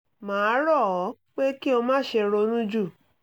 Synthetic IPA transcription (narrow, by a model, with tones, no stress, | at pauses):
mãː˨˦ɾɔ˦˨˦k͡pe˦ki˦o˧mãː˦ʃe˧ɾo˧nũ˦d͡ʒu˦˨